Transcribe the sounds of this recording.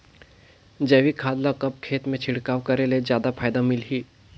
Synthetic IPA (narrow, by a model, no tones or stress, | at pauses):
d͡ʒɛːʋikʰaːd̪lakɐp̚kʰeːt̪mẽt͡ʃʰɪɽkaːwkɐɾelezjaːd̪apʰaːjd̪amɪlɦiː